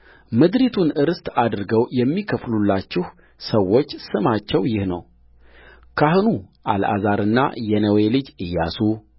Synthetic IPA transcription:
mɨd̪ɾit̪ʰunɨɾɨst̪ad̪ɨɾɡəwjɛmːikʰəflulːat͡ʃːɪh | səwːo̞t͡ʃːsɨmat͡ʃːɛwjɪhnə̰w | kʰahnuʔa̰la̰zaɾɨnːa̰jɛnəwe̞lɨd͡ʒɨjːasu

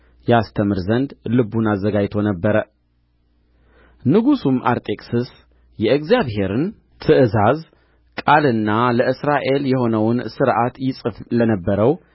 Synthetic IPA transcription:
jɛast̪ʰəmɨɾzənd̪lɨbunazːəɡad͡ʒt̪ʰo̞nəbːəɾə | nɨɡusumʔa̰ɾt̪ʼe̞kʼsɨs | jɛɨɡzijaβɦe̞ɾɨn | t̪ʰɨʔɨzaz | kʼalɨnːaləʔɨsɾaʔe̞ljɛho̞nəwnsɨɾʔat̪jɪsʼɨflənəbːəɾəw

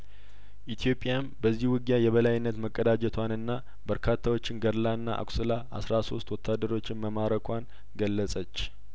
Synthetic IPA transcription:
ʔit̪ʰjo̞pʼjambəzːihwɨɡjajɛβəlajɪnːət̪məkʼːəd̪ad͡ʒɛt̪ʰwanɨnːa | bəɾkʰat̪ʰːawo̞t͡ʃːɪnɡəɾlanːa̰ʔa̰kʼsɨlaʔa̰sɾaso̞st̪wɔt̪ʰːad̪ːəɾo̞t͡ʃːɪnməmaɾəkʰʷan | ɡəlːəsʼət͡ʃː

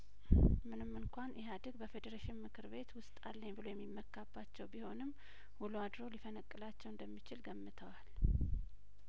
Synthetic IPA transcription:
mɨnɨmːɨŋkʷanjɛɦad̪ɨɡbəfed̪əɾaʃɪnmɨkʰɨɾbe̞t̪wʊst̪ʼalːəɲbɨlo̞jɛmːimːəkːabːat͡ʃːɛwbiho̞nɨmː | huluad̪ɾo̞lifənəkʼːɨlat͡ʃːɛwɨnd̪əmːit͡ʃɪlɡəmːɨt̪ʰəwal

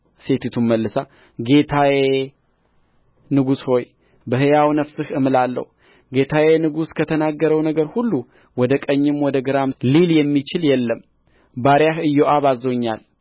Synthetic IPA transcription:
se̞t̪ʰit̪ʰumməlːɨsa | ɡe̞t̪ʰawe | nɨɡusho̞j | bəɦɨjawnəfsɨhɨmɨlalːə̰hu | ɡe̞t̪ʰawenɨɡuskʰət̪ʰənaɡːəɾəwnəɡəɾhulːu | wɔd̪əkʼəɲːɪmwɔd̪əɡɨɾamliljɛmːit͡ʃɪljɛlːəm | baɾjaɦɨjoʔaβazːo̞ɲːal

